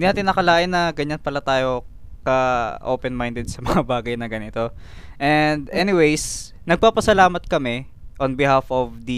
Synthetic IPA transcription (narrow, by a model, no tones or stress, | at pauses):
d̪inaːt̪ɪnːɐkɐlaːʔɪnːɐɡɐɲɐnpɐlat̪aːjo̞ | kɐʔoːpɛnmajnd̪ɛd̪̚sɐmɐŋabaːɡɐjnɐɡɐnɪt̪o̞ | ʔɛnd̪ɛnɪwejs | nɐɡ̚paːpɐsɐlaːmɐt̪̚kɐmɛ | ʔonbɪhafovd̪ɐ